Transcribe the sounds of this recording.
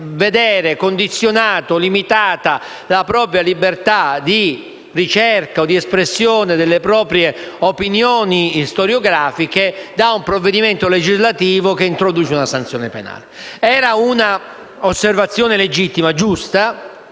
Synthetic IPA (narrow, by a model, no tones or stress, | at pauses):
ved̪ɛːɾekond̪it̪sːjonaːt̪olimit̪aːt̪a | lapɾɔːpɾjalibert̪ad̪i | rit͡ʃerkaod̪ːiespɾesːjoːned̪elːepɾɔːpɾjeopinjoːnist̪oɾjoɡɾaːfiked̪aumpɾovːed̪iment̪oled͡ʒizlat̪iːvokeint̪ɾod̪uːt͡ʃeunasant̪sːjɔːnepena̰ːleɛːɾauna | osːervat̪sːjoːneled͡ʒit̪ːimad͡ʒust̪a